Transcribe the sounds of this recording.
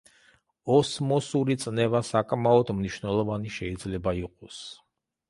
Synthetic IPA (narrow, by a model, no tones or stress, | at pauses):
ɔsmɔsuɾit̪sʼnɛvasakʼmaɔd̪mniʃwnɛlˠɔvaniʃɛid̪zlɛbaiqʼɔs